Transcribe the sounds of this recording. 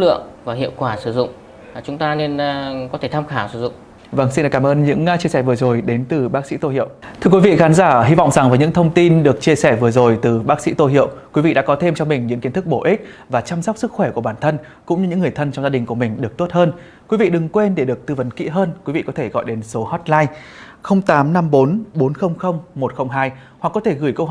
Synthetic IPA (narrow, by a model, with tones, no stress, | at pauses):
lɨ̰˧˨əŋvaː˨˩hḭ˧˨əwkwaː˧˩sɨ˧˩zʊ̰˧˨ŋ͡m | t͡ɕʊ˨˦ŋ͡mt̪aː˧ne˧nkɔ˨˦t̪ʰe˧˩t̪ʰaː˧mxaː˧˩wsɨ˧˩zʊ̰˧˨ŋ͡m | və˧˩ŋsi˧nɗə˨˩kaː˨˧˦mʔəː˧nɲɨ̰˧˥ŋ˧t͡ɕi˧əsɛ˧˩vɨ˨˩əzo˨˩jɗe˨˦nt̪ɨ˨˩ɓaː˦˥k̚sḭ˧˥t̪o˧hḭ˧˨əwt̪ʰɨ˧əkwi˨˦vḭ˧˨xaː˨˦nzaː˧˩hi˧vɔ̰˧˨wŋ͡mza˨˩ŋvəː˨˦ɲɨ̰˧˥ŋt̪ʰə˧wŋ͡mt̪i˧nɗɨ˨˩ək̚t͡ɕi˧əsɛ˧˩vɨ˨˩əzo˨˩jt̪ɨ˨˩ɓaː˦˥k̚sḭ˧˥t̪o˧jɦi˧˨əwkwi˨˦vḭ˧˨ɗa̰ː˧˥kɔ˨˦t̪ʰe˧mt͡ɕɔ˧ŋ͡mmï˨˩ŋ̟ɲɨ̰˧˥ŋki˨˦ənt̪ɨ˦˥k̚ɓo˧˩ʔi˦˥k̚ | vaː˨˩t͡ɕaː˧msɔ˦˥k͡p̚sɨ˦˥k̚xwɛ˧˩ku˧˩əɓaː˧˩nt̪ʰə˧n | kʊ̰˧˥ŋ͡mɲɨ˧ɲɨ̰˧˥ŋːɨ˨˩əjt̪ʰə˧nt͡ɕŋ͡mzaː˧ɗï˨˩ŋ̟ku˧˩əmï˨˩ŋ̟ɗɨ˨˩ək̚t̪o˦˥t̚həː˧n | kwi˨˦vḭ˧˨ɗɨ˨˩ŋkwe˧nɗe˧˩ɗɨ˨˩ək̚t̪ɨ˧və˨˦nkḭ˧˥ɦəː˧nkwi˨˦vḭ˧˨kɔ˨˦t̪ʰe˧˩ɣɔ̰˧˨jɗe˨˦nso˨˦hɔ˦˥t̚laː˧j | xə˧wŋ͡mt̪aː˨˦mna˧mɓo˨˦nɓo˨˦nxə˧wŋ͡mxə˧wŋ͡mmo˨˩t̚xə˧wŋ͡mɦaː˧j | hwa˨˩kːɔ˨˦t̪ʰe˧˩ɣɨ˧˩jkə˧wɦ